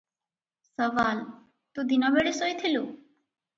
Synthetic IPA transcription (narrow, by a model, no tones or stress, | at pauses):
sɔval | t̪od̪inɔbeɾesojt̪ʰelu